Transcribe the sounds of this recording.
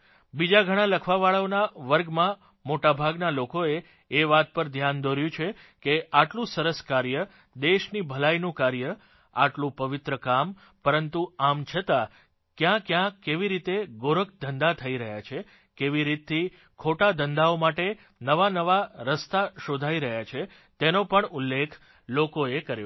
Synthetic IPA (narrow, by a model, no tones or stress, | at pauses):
bid͡ʒaɡʱəɽ̃ãləkʰʋaʋaɭəonaʋəɾɡmã | moʈabʱaɡnalokoeː | ʋat̪̚pəɾd̪ʱjand̪oɾjũt͡ʃʰe | keʔaʈlũsəɾəskaɾjə | d̪eʃnibʱəlainũkaɾjə | a̰ʈlũpəʋɪt̪ɾəkam | pəɾənt̪uamt͡ʃʰət̪a | kjãkjãkːeʋiɾit̪eɡoɾək̚d̪ənd̪at̪ʰəiɾəɦjat͡ʃʰe | keʋiɾit̪ːi | kʰoʈad̪ənd̪aomaʈe | nəʋanəʋaɾəst̪aʃod̪ʱaiɾəɦjat͡ʃʰe | t̪enõpəɳulːekʰ | lokoekəɾjo